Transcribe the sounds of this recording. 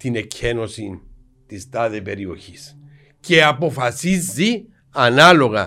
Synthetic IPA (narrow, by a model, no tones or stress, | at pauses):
t̪inecʰeno̞sin | t̪ist̪aðepe̞ɾio̞̰çis | ce̞apo̞fɐsizːi | ɐnalo̞ɣɐ̰